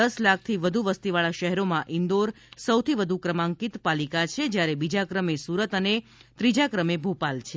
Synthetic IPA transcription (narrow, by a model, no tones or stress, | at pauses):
əslak̚ʰt̪ʰiʋəd̪ʱuʋəst̪iʋaɭaʃəɦɛɾomãʔɪnd̪oɾ | səwt̪ʰiʋəd̪ʱukɾəmãŋkit̪palikat͡ʃʰed͡ʒjaɾebid͡ʒakɾəmesuɾət̪ənet̪ɾid͡ʒakɾəmebʱopalt͡ʃʰe